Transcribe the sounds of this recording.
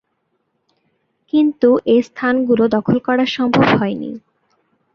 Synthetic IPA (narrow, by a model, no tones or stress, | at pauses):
kint̪uʔest̪ʰanɡulod̪ɔkʰolkɔɾaɾʃɔmbʱobɦɔenḭ